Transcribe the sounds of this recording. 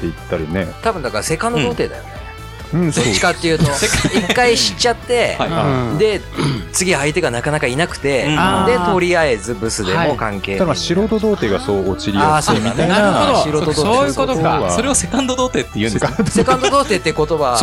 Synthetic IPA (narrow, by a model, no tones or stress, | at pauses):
t̪ːeit̪ːaɾʲine̞̰t̪abɯ̟nd̪akaɾase̞kãnd̪od̪o̞ːt̪e̞ːd̪a̰jo̞̰ne | ɯ̃ːst͡ɕi̥kat̪ːejɯ̟ːt̪o̞eikkːaiɕi̥t͡ɕːat̪ːe̞ad̪e̞ | t͡sɨɡʲiait̪e̞ɡanakanakainakɯ̟̥t̪e̞d̪e̞t̪o̞ɾʲiae̞zɨbɯ̟sɨd̪e̞mo̞kãŋke̞ːaɕiɾo̞t̪o̞d̪o̞ːt̪e̞ːɡasoːt͡ɕiɾʲiaːsoinaooɕiɾood̪ooːjɯkot̪okaoɾeosekãnd̪od̪oːt̪e̞ːt̪ːejɯ̟̃ese̞kãnd̪od̪oːt̪e̞ːt̪ːejɯ̟ko̞t̪o̞βa